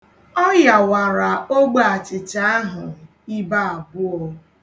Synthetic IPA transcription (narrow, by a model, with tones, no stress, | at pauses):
ɔ˦ja˨wa˨ɾa˨o˦ɡ͡ba˦a˨t͡ʃɪ˨t͡ʃa˦a˦ɦʊ˨ | i˦ba˦a˨bʊ˦ɔ˦